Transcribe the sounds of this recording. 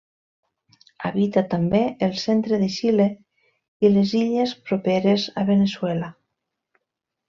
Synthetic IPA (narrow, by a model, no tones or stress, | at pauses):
a̰βit̪at̪ambeelˠsent̪ɾeðeʃile | ileziʎespɾopeɾezaβeneswɛla